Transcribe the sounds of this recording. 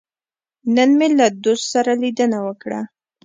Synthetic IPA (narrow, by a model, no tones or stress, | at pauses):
nənmelad̪ost̪saɾalid̪ənawəkɽa̰